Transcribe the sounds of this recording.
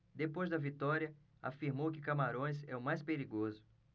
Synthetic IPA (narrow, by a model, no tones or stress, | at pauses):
d̪epojzd̪ɐvit̪ɔɾiɐ | afiɾmowkɪkamaɾõj̃sɛʊmajspeɾiɡozʊ